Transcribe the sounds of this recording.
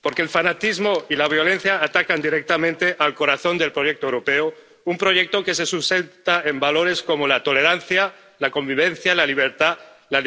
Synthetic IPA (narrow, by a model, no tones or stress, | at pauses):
poɾkelfanat̪izmoilaβ̞jo̞le̞n̟θjaːt̪akand̪iɾek̚t̪amẽnt̪eʔalko̞ɾaθo̞nd̪e̞lpɾoʝek̚t̪oewɾopeo | umpɾo̞ʝek̚t̪o̞ke̞s̬esust̪ent̪aembalo̞ɾe̞sko̞molat̪o̞le̞ɾanθja | lako̞mbiβ̞ẽn̟θjalaliβ̞eɾt̪a | la